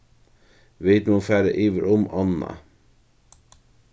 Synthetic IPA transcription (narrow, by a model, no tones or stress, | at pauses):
ʋeɪt̪nufæːɾə̰ʔiːʋəɾʊmɑnɑ̰